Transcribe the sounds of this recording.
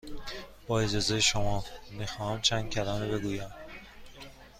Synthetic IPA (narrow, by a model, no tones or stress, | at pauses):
b̥ɒːed͡ʒɒːzejeʃomɒːmixɒːhæmt͡ʃʰæːnd̪̚cʲʰælɒːmebeɡuːjæm